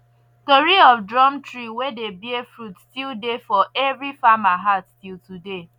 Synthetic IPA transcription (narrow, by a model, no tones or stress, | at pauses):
toɹiɔfdɹɔmtɹiwedebiɛfɹutstildefɔʔɛvɹifamaɦattiltude